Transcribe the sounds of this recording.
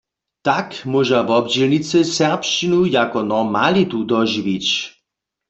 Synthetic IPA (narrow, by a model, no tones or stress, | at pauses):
t̪akmɔʒavɔbd͡ʑelnit͡sɛsɛʁpʃt͡ʃinujakɔnɔmalit̪ud̪ɔʒiʋit͡ɕ